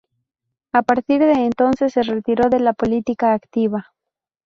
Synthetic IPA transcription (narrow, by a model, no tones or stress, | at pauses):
apaɾt̪iɾðeːnt̪o̞nsesːeret̪iɾo̞ðe̞lapo̞lit̪ikaːkt̪iβa